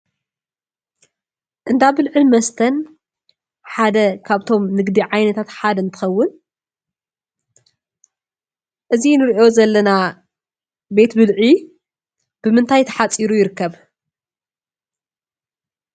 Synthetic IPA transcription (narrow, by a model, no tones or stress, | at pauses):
ʔɨnd̪abɨlʕɨmɐst̪ʰɐn | ħad̪ɐkʰaβt̪ʰo̞mnɨɡd̪iʕajnɐt̪ʰat̪ħad̪ɐɨnt̪ʰɨ̥xɐwːʊn | ʔɨzinɨɾiʔo̞zɐlːɐna | be̞t̪bɨlʕi | b̥ɨmɨnt̪ʰajt̪ʰɐ̥ħat͡sʼːiɾujɪɾɨkːɐβ